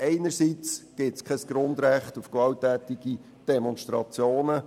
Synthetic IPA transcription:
ɛɪnəɾsit͡sɡ̥ɪtskʰɛsɡ̥ɾʊnd̪ɾæχtufkʋɑwtæːt̪iɡ̥i | d̥ɛmɔnʃtɾɑt͡sjoːnə

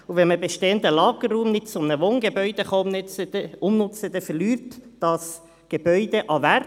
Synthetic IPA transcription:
uʋɛnməbeʃteːənd̪əlɑːɡ̥ərːuːmnɪt̚t͡sʊmnəʋoːnɡebœʏd̥̪eχɑmnt͡səʊmnʊt͡səd̥̪ɛfɛlyːɾtd̥ɑs | ɡ̥ebœʏd̥̪eʔɑʋær

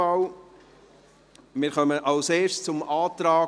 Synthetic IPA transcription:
ɑw | mɪːɾχœməʔɑʊseːɾʃt͡sʊmɑːt̪ɾɑː

